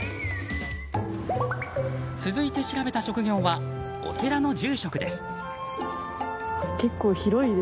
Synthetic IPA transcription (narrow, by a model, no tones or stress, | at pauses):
t͡sɨzɨit̪e̞ɕiɾabe̞t̪aɕo̞kɯ̟ɡʲõ̞ːβa | o̞̰t̪e̞ɾano̞d͡ʑɨːɕo̞kɯ̟d̪e̞sɨ̥ | ke̞kːoːçiɾo̞i